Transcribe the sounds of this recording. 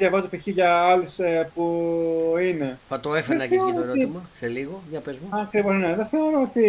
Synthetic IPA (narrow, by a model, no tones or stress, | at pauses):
jɐvɐzt̪opiçiʝɐɐlusepu | ine̞fɐt̪oefeenɐkθeoɾiooeɾoiimɐseliɣoʝɐpezmoɐkɾivo̞zne̞ðeθeo̞ɾoot̪i